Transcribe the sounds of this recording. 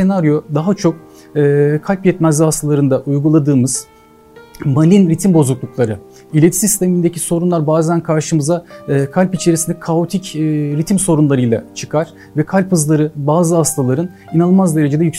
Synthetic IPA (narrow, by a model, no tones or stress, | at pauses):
se̞naɾjo̞d̪aɦat͡ʃʰo̞k̚ | ɯːkʰalʲpjɛt̪mæzihast̪ʰalˠaɾɯnd̪aʔujɡulˠad̪ɯːmɯz̥ | malʲinɾit̪ʰimbo̞zuklˠuklˠaɾɯ | ilʲet̪ʰi̥sist̪e̞mind̪e̞ciso̞ɾunlˠaɾbaːzænkʰaɾʃɯmɯzaːkʰalʲpit͡ʃʰe̞ɾisind̪ɛkʰaot̪ʰicːɾit̪ʰimso̞ɾunlˠaɾɯjlˠa̰t͡ʃʰɯ̥kʰaɾ̥ | vɛkʰalʲphɯzlˠaɾɯbaːzɯhast̪ʰalˠaɾɯn | inalˠmazd̪eɾe̞d͡ʒe̞d̪ɛjyks